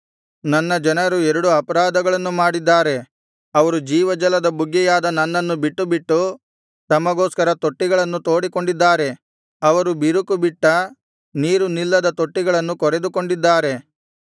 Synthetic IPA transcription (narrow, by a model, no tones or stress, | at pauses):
nɐnːɐd͡ʒɐnɐɾuɛɾuɽuɐpɐɾaːd̪ɐɡɐɭɐnːumaːɽid̪ːaːɾe̞ | ɐʋɐɾud͡ʒiːʋɐd͡ʒɐlɐd̪ɐbuɡːɛjaːd̪ɐnɐnːɐnːubiʈːubiʈːu | t̪ɐmɐɡoːskɐɾɐt̪o̞ʈːiɡɐɭɐnːut̪o̞ːɽiko̞ɳɖid̪ːaːɾe̞ | ɐʋɐɾubiɾukubiʈːɐ | niːɾunilːɐd̪ɐt̪o̞ʈːiɡɐɭɐnːukɔɾe̞d̪uko̞ɳɖid̪ːaːɾe̞